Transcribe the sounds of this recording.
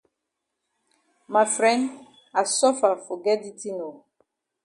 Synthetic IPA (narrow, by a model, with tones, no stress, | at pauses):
ma˨fɹɛ̃˦nd | a˨sɔ˦fa˨fɔ˨ɡɛ˦di˦tĩ˦no˨